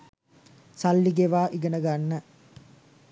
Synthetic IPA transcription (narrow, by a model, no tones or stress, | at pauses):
salːiɡeʋaːʔiɡənəɡanːə